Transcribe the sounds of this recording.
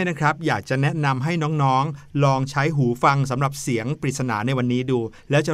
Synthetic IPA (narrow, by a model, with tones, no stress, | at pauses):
na˦˥kʰɾa˦˥p̚jaː˨˩k̚t͡ɕa˨˩nɛ˦˥ʔna˧mɦa˥˩jnɔː˦˥ŋnɔː˦˥ŋlɔː˧ŋt͡ɕʰa˦˥jɦuː˩˦fa˧ŋs̬a˩˦mɾa˨˩p̚si˩˦əŋpɾi˨˩t̪̚sa˧na̰ː˩˦na˧jwa˧nːiː˦˥duː˧lɛː˦˥wt͡ɕa˨˩